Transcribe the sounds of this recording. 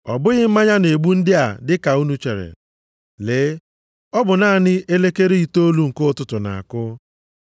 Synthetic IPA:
ɔ˨bʊ˦ɣɪ˦m̩˦ma˦ɲa˦ne˨ɡ͡bu˦n̩˦dɪ˦a˨dɪ˦ka˨u˦nu˦t͡ʃe˨ɾḛ˨ | lɪ˨˦ | ɔ˦bʊ˨na˦˨nɪ˦ʔe˦le˦ke˦ɾe˦i˨to˦lu˦ŋ̩˨kʊ˦˨tʊ˦tʊ˨na̰˨a˨kʊ˦

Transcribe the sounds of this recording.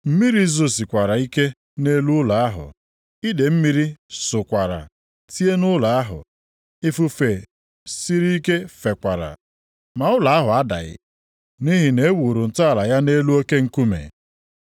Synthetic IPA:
m̩˦mi˦ɾi˦zo˦si˨kʷa˨ɾa˨i˦ke˦ | ne˦lu˦ʊ˦la˨a˦ɦʊ̰˨ | i˦de˨m̩˦mi˦ɾi˦sʊ˨kʷa˨ɾa̰˨ | ti˦e˦nʊ˦la˨a˦ɦʊ̰˨ | i˦fu˦fe˨ | si˦ɾi˦i˦ke˦fe˨kʷa˨ɾa̰˨ | ma˨ʊ˦la˨a˦ɦʊ˨a˦da̰˨ɣɪ̰˨ | ni˦ɦi˨ne˨e˦wu˨ɾu˨n̩˨tʊ˦a˨la˨ja˦ne˦lu˦o˦ke˦ŋ̩˦ku˦mḛ˨

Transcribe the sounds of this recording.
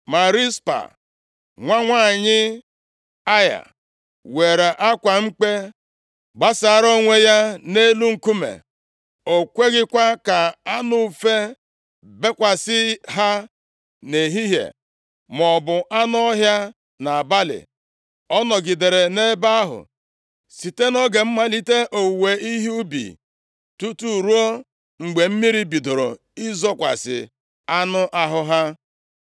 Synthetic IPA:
ma˨ɾi˦spa̰˨ | ŋʷa˦ŋʷa˦˨ɲɪ˦ | a˦ja̰˨ | we˨ɾe˨ʔa˦kʷa˨ŋ͡m̩˦k͡pe˦ | ɡ͡ba˦sa˨ɾo˦ŋʷe˦ja˦ne˦lu˦ŋ̩˨ku˦mḛ˨ | o˨kʷe˦ɡɪ˦kʷa˦ka˨a˦nʊ˦˨fe˦ | be˦kʷa˨sɪ˦ɦa˦ | ne˨ɦi˦ɦjḛ˨ | mɔ˨bʊ˨ʔa˦n˦ɔ˦ɦja˦ | na˨a˨ba˦lɪ̰˨ | ɔ˦nɔ˨ɡɪ˨de˨ɾe˨ne˦ba˦a˦ɦʊ̰˨ | si˨te˦nɔ˦ɡe˨m̩˦ma˦li˦te˦ʔo˨we˨i˦ɦi˦u˦bḭ˨ | tu˦tu˦˨ɾu˦o˦ | ŋ͡m̩˨ɡ͡be˨m̩˦mi˦ɾi˦bi˨do˨ɾo̰˨ | ɪ˦zɔ˦kʷa̰˨sɪ̰˨ | a˦nʊ˦ʔa˦ɦʊ˦ɦa˦

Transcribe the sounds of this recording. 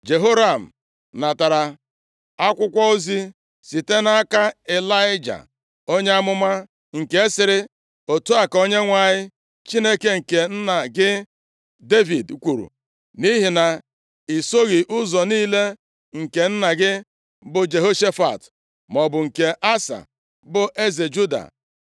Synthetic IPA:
d͡ʒe˨ɦo˦ɾa˨m̩˨ | na˨ta˨ɾa˨ | a˦kʷʊ˦kʷɔ˦o˦zi˦ | si˨te˦na˦ka˦e˨la˦ɪ˦d͡ʒa̰˨ | o˦ɲe˦a˦mʊ˦ma˦ | ŋ̩˨ke˦e˦sɪ˨ɾɪ˦ | o˨tu˦a˨ko˦ɲe˦ŋʷa˨ɲɪ˦ | t͡ʃi˦ne˦ke˦ŋ̩˨ke˨n̩˦na˨ɡɪ˦ | de˦vi˨dkʷu˨ɾṵ˨ | ni˦ɦi˨na˨ | i˨so˦ɣɪ˨ʔʊ˦zɔ˨niː˦le˦ | ŋ̩˨ke˨n̩˦na˨ɡɪ˦ | bʊ˨d͡ʒe˨ɦo˦ʃe˦fa̰˨t | mɔ˨bʊ˨ŋ̩˨ke˨ʔa˦sa̰˨ | bʊ˨ʔe˦ze˨d͡ʒu˦da̰˨

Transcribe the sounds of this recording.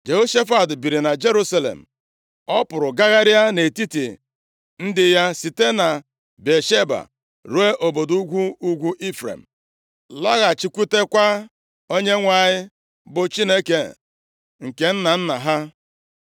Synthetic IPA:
d͡ʒe˨ɣo˦ʃe˦fa˨dbi˨ɾi˨na˨d͡ʒe˦ɾu˦sa˦lḛ˨m̩˨ | ɔ˦pʊ˨ɾʊ˨ɡa˦ɣa˦ɾja˦ne˨ti˦ti˨ | n̩˦dɪ˨ja˦si˨te˦na˨ | be˨ʃe˦ba̰˨ | ɾu˦e˦ʔo˨bo˨du˦ɡʷu˦u˦ɡʷu˦ʔi˦fɾḛ˨m̩˨ | la˦ɣa˨t͡ʃi˨kʷu˦te˦kʷa˦ | o˦ɲe˦ŋʷa˨ɲɪ˦ | bʊ˨t͡ʃi˦ne˦ke˨ | ŋ̩˨ke˨n̩˦na˨n̩˦na˨ɦa˦

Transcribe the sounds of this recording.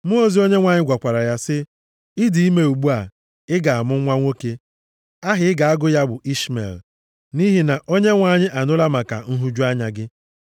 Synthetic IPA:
mʊ˦o˦zi˦o˦ɲe˦ŋʷa˨ɲɪ˦ɡʷa˨kʷa˨ɾa˨ja˦sɪ˦ | ɪ˦di˨i˦me˦u˨ɡ͡bu˦a˨ | ɪ˦ɡa˨a˨mʊ˦ŋʷa˦ŋʷo˦ke˦ | a˦ɦɪ˨˦ɪ˦ɡa˨a˦ɡʊ˦ja˦bʊ˨ʔi˦ʃmḛ˨l | ni˦ɦi˨na˨ʔo˦ɲe˦ŋʷa˨˦˨ɲɪ˦ʔa˨nʊ˦la˦ma˨ka̰˨n̩˦ɦu˦d͡ʒu˦a˦ɲa˨ɡɪ˦

